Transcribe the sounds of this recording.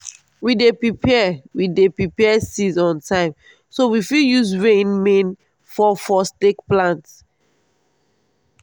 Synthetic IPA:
widepɹipʰɛwidepɹipɛɛsizɔ̃ntʰãɪ̃m | sowifiljuzɹẽnmẽn | fɔfɔstekplãnt

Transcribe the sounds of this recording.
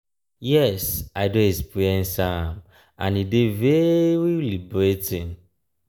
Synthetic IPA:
jɛsaɪdoespiɛ̃nsam | ã̰nideveɾilibɾetĩn

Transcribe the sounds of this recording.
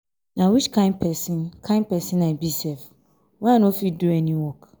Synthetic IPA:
nãwit͡ʃkʰãɪ̃nd̚pʰɛsɪ̃nkʰãɪ̃n̚pʰɛsɪ̃nabisɛf | wããnõfiduɛnĩwɔk

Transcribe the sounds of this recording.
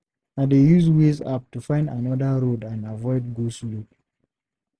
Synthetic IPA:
nadejuzweza̰p̚tufãɪ̃ndanɔdəɹodãnavɔɪd̚ɡoslud

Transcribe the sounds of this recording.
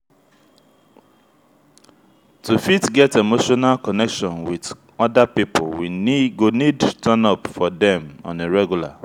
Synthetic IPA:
tufitɡɛtemoʃɔnalkɔnɛkʃɔ̃nwið | ɔdapipo̰lwiɡonidtʰanɔpfɔdɛ̃mɔ̰̃neɹɛɡjula̰

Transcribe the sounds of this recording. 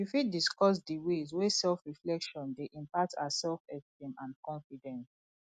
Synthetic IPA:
jifidiskɔs̬diwezwesɛlfɹiflɛkʃɔ̃ndeʔĩmpatʰa̰asɛlfɛftĩmãnkɔ̃nfidɛ̃ns

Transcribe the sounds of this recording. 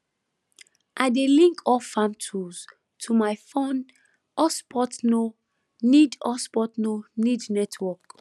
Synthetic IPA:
ʔaɪdelĩŋkʰɔfãmtʰus | tʰumaɪfõn | ʔɔspʰɔtno | nidɔspɔtnonidnɛtʰwɔk

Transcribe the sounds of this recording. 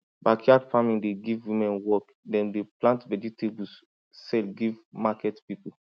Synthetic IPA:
bakʰiadfamĩndeɡivwĩmɛ̃nwɔk | dɛ̃ndeplãntvɛditʰebusː | ɛlɡivmakɛtpipu

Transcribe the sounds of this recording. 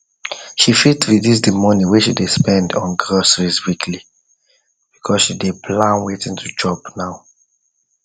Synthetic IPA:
ʃifitwiðis̬dimɔniweʃidespɛ̃ndɔ̰̃nɡɹɔsɹiswikʰli | b̥ikʰɔsʃidepʰlãnwetĩntʰud͡ʒɔbnaʊ

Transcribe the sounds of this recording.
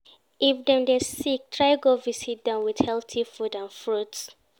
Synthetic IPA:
ifdɛ̃mdesik̚tʰɹaɪɡovisit̚dãʊ̃nwið̥hɛlˠtifudãnfɹuts

